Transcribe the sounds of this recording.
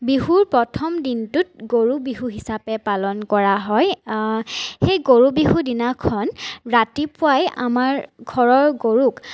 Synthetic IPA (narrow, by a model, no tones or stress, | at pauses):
biɦuɹpɹɔtʰɔmdintʊt̚ɡoɹubiɦuɦisapɛpalɔnkɔɹaɦɔj | xejɡoɹubiɦudinakʰɔnɹatipʊaja̰maɹɡʱɔɹɔɹɡoɹuk